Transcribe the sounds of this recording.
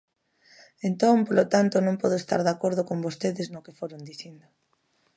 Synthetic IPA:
ent̪õŋpolot̪ant̪ʊnõmpɔðoest̪a̰ɾðakoɾðokõmbost̪eðɪznokefoɾond̪iθind̪o

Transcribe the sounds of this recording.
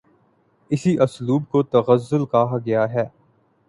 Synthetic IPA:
ɪsiʔɐsluːbkot̪ɐɣəzːʊlkaːɦaɡɐjaɦɛː

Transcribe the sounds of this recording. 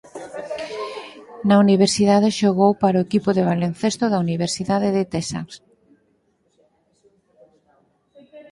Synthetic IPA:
nauniβ̞eɾsiðaðeʃoɣowpaɾoʊekipoðeβ̞alen̟θest̪ʊðauniβeɾsiðaðeðet̪ɛsa̰ks

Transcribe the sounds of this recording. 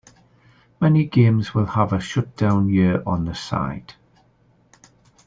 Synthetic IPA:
mɛniɡẽɪ̃mzwɪlˠəvəʃʌt̚d̥ãʊ̃njɪəɹʔə̃nðəsa̰ɪd̥

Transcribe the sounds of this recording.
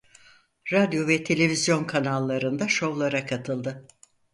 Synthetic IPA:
ɾad̪jo̞vɛt̪ʰe̞lʲe̞vizjo̞nkʰanalˠːaɾɯnd̪aʃo̞vlˠaɾakʰat̪ʰɯlˠd̪ɯ

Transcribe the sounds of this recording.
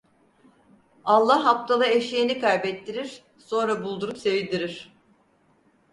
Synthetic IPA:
alˠːaɦːap̚t̪ʰalˠɯeʃienikajbɛt̪ːiɾiɾ̥ | so̞nɾabulˠd̪uɾupsevid̪iɾiɾ̥

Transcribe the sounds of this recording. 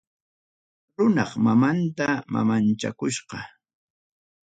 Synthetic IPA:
ɾʊnɑχmamant̪ama̰mant͡ʃa̰kʊʃqɑ

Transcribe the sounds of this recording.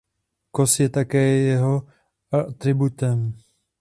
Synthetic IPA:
kosjɛt̪akɛːjɛɦo | at̪ɾɪbut̪ɛm

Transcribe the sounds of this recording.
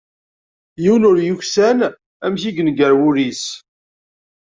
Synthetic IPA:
jiwnʊɾjuçsæn | æmçiɡənɡəɾwʊɾis

